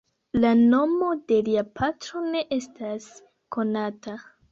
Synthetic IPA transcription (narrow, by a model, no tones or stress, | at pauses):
lano̞mo̞de̞liapʰatɾo̞ne̞ʔe̞stas | ko̞nata